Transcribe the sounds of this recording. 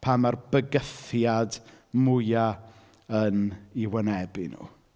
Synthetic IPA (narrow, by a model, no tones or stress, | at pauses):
pʰamarb̥əɡəfjad | mʊja | əniwənɛbɪnṵː